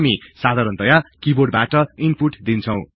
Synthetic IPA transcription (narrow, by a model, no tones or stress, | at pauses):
misad̪ʱaɾʌnt̪ʌjakiboɽbaʈʌinpuʈd̪int͡sʰʌw̃